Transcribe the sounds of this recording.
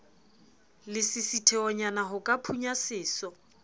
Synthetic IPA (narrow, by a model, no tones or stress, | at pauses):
lɪsɪsitʰɛɔɲanaɦʊkʼapʰuɲasɪːsɔ